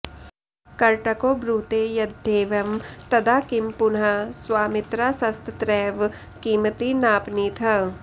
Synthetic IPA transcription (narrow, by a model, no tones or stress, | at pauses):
kɐɾʈɐkoːbɾuːt̪eːjɐd̪ʱːeːʋɐmt̪ɐd̪aːkɪmpʊnɦaswaːmɪt̪ɾaːsɐst̪t̪ɾɛːʋ | kiːmət̪inaːpniːt̪ʰɐ